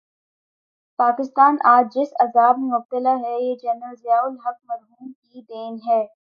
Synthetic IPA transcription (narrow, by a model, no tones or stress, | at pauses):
paːkɪst̪aːnʔaːd͡ʒd͡ʒɪsɐzaːb̚memʊb̚t̪ɪlaɦɛjeːd͡ʒɛnəlzɪjaːʊlɦɐk̚mɐɾɦuːmkid̪eːnɦɛː